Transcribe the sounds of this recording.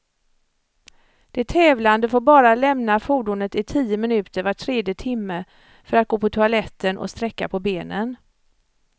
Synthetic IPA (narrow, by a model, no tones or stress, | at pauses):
d̪̥ɛt̪ʰːɛːvland̪əfoːɾbɑːɾalɛmnafuːɖʊnət̪ɪt̪ʰiːəmɪnʉ̟ːt̪əɾvaʈʰɾeːd̪jət̪ʰɪmːə | fœɾat̪̚ɡoːpʰɔt̪ʰʊalɛt̪ʰːənʔɔ̰st̪ɾɛkːapʰɔbeːnən